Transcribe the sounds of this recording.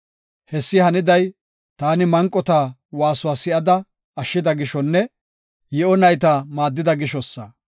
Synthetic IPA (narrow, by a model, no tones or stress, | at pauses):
hɛsːɪhɐnɪd̪ɐj | t̪aːnɪmɐŋkʼːɔt̪aː | waːsʊwaːsɪʔɐd̪ɐ | ɐʃːɪd̪ɐɡɪʃɔnːɛ | jɛɔnɐjt̪amaːd̪ːɪd̪ɐɡɪʃɔsːɐ